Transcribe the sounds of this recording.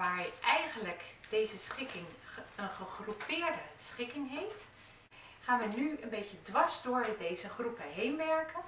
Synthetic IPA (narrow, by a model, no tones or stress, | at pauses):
ʋaːɹʔɛjɣənləkd̥ejzəsχɪkɪŋənχəχrupɪːɹdəsχɪkɪŋɦejft | χaːnʋənyənbejtədʋɑzdʊːɹdejzəχrupəɦejnʋɛɹkə